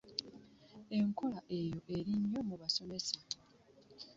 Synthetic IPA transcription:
e̞ŋko̞laʔe̞jo̞ʔe̞ɾiɲːo̞muβaso̞me̞sa

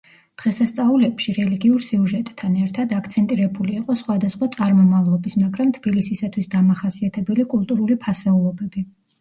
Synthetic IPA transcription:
d̪̥ʁɛsast̪sʼaulɛpʃiɾɛliɡiuɾsiuʒɛt̪ʼːʰanɛɾt̪ʰad̪ak̚ʰt̪sʰɛnt̪ʼiɾɛbuliːqʼɔsχwad̪asχwat̪sʼaɾmɔmavlˠɔbismaɡɾamt̪ʰb̥ilisisat̪ʰwisd̪amaχasiat̪ʰɛbɛlikʼulˠt̪ʼuɾulipʰasɛulˠɔbɛbi

